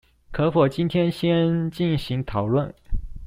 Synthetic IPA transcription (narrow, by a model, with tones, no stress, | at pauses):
kʰɤ˧˥fɔ˨˩t͡ɕi˥nt̪ʰjɛ˥nɕjɛ˥nt͡ɕi˥˩nɕi˧˥ŋt̪ʰɑ˨˩ʊlwə˥˩n